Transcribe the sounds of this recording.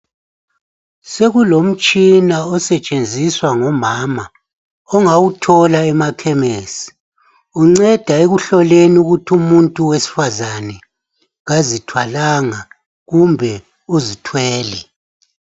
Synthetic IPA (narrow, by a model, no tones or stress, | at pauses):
seɣulom̩t͡ʃʼinaɔsɛt͡ʃʼend͡zʱiswaŋɔmaːma | ɔŋawutʰɔlaɛmakʰɛmeːsi̥ | uŋ͡ǀɛd̥ʱaeɣuɬɔleniuɣutʰumuntʼuwesi̥fazanɛ | ɣazitʰwalaŋa | ɣumbʱɛ | uzitʰwɛːlɛ